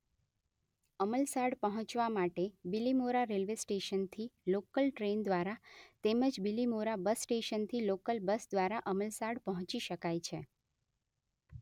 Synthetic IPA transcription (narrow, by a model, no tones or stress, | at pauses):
əməlsaɽpəɦɔ̃t͡ʃʋamaʈebilimoɾaɾelʋesʈeʃənt̪ʰilokəlʈɾend̪ʋaɾat̪eməd͡ʒbilimoɾabəsːʈeʃənt̪ʰilokəlbəsd̪ʋaɾaʔəməlsaɽpəɦɔ̃t͡ʃiʃəkajt͡ʃʰe